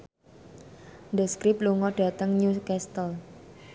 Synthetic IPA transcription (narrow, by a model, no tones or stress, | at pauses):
nd̪əskɾipluŋɔɖ̥ä̤t̪əŋɲukɛst̪əl